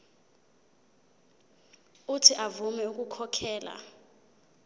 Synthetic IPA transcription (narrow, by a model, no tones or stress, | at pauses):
utʰiʔavumɛuk̬ʼukʰɔkʰɛːla̰